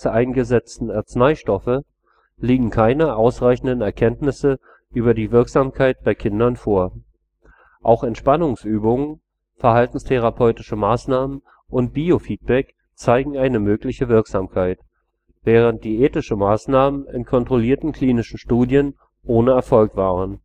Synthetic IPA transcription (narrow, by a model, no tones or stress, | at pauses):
əʔaɪnɡəzɛt͡stn̩ɛɐt͡snaɪʃtɔfə | liːɡŋ̩kʰaɪnəʔaʊsʁaɪçn̩dənɛɐkʰɛntnɪsə | ʔyːbɐdiːvɪɐkz̥aːmkʰaɪt̚b̥aɪkʰɪndɐnfoːɐ | ʔaʊxɛntʃpanʊŋsʔyːbʊŋən | fɛɐhaltn̩stʰeʁ̞apʰɔʏtɪʃəmaːsnaːmən | ʔʊnt̚b̥iːofiːt̚b̥ɛk | t͡saɪɡŋ̩aɪnəmøːklɪçəvɪɐkz̥aːmkʰaɪt | v̥ɛːʁ̞ənt̚d̥iːʔeːtɪʃəmaːsnaːmənɪ̰nkʰɔntʁ̥oliːɐtn̩kʰl̥iːnɪʃn̩ʃtuːdjən | ʔoːnəɛɐfɔlkv̥aːʁən